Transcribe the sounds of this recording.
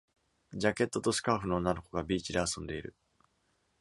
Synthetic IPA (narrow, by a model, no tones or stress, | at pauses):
d͡ʑake̞t̪ːo̞t̪o̞sɨ̥kaːɸɯ̟no̞ːnːano̞ko̞ɡabʲiːt͡ɕid̪e̞asõ̞nd̪e̞iɾɯ̟̰